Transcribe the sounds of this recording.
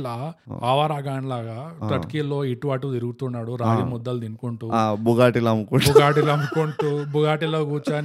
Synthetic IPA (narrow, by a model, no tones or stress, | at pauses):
laːaːʋaɾaːɡaːɳlaːɡaːt̪ɐkiːlːo̞ːiʈuʋaːʈut̪iɾuɡut̪unːaːɽuɾaːɽimɔd̪ːɐld̪inukuɳʈuːbuɡaːʈilɐmukubuɡaːʈilɐmukuɳʈuːbuɡaːʈiloːɡuːt͡ʃaːn